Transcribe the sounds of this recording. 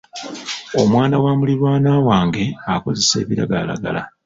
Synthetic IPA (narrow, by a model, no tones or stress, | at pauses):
o̞mwaːnawaːmuliɾwaːnaːwaːŋɡe̞ako̞ze̞se̞̰ːβiɾa̰ɡala̰ɡa̰la